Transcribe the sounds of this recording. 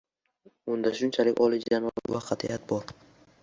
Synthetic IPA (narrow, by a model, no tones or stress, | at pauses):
ʊnd̪aʃʊnt͡ʃʰalɪkʲɒlˠɪd͡ʒanɒvaqʰɑt̪ʰḭʔat̪̚bɒɾ